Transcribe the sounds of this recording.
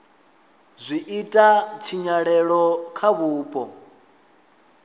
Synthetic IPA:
zʷiʔitʼat͡ʃʰiɲaɺɛɺɔkʰaβuːpʼɔ

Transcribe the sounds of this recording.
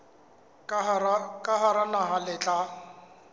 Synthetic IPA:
kʼaɦaɾanaɦalɪt͡ɬʼa

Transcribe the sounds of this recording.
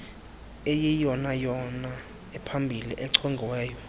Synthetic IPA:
ejijɔnajɔna | ɛpʰambʱiliʔɛǀʰɔŋɡʱiwɛːjɔ

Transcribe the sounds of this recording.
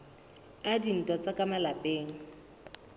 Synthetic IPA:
adin̩tʼwat͡sʼakʼamalapʼeːŋ̩

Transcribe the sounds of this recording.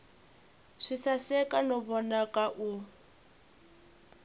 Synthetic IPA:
ʂisasɛkʼanɔbɔnakʼaʔu

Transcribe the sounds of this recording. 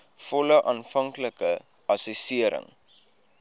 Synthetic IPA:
fɔləʔɑːnfɐŋkləkə | ʔɐsisiəɾə̰ŋ

